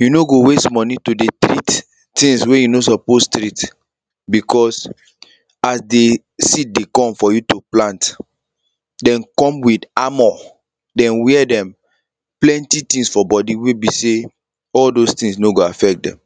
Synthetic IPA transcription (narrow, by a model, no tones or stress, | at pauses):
junoɡowestmɔ̃nitudetɾit | tĩŋswejunosɔpostɾit | bikʰɔs | asde | sit̚dekɔ̃mfɔjutuplãnt | dɛ̃nkɔ̃mwidamɔ | dɛ̃nwɛɛdɛ̃m | plɛ̃ntitĩŋsfɔbɔdiwebise | ɔldostĩŋsnoɡoafɛk̚dɛ̰̃m